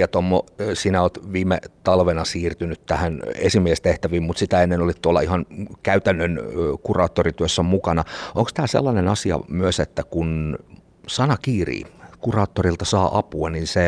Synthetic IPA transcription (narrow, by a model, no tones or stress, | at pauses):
ɑt̪omːosiːnæoːt̪ʋiːmet̪ɑlʋenɑsiːrt̪ynyt̪t̪æhænesimiest̪eht̪æʋiːmmut̪sit̪æenːenolit̪t̪uolːɑihɑnkæyt̪ænːønkurɑːt̪ːorit̪yøsːæmukɑnɑʔoŋkst̪æːsḛlːɑnenɑsiɑ̰myøset̪ːækun | sɑnɑkiːrḭːkurɑːt̪ːorilt̪ɑsɑːʔɑpuɑninse